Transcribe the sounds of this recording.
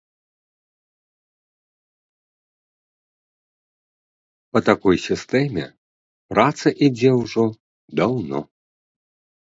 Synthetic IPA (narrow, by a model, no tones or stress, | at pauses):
pɐt̪akɔjsʲist̪ɛmʲɛ̰ | pɾat̪sɐʔid͡zʲɛwʐɔ | d̪awnɔ̰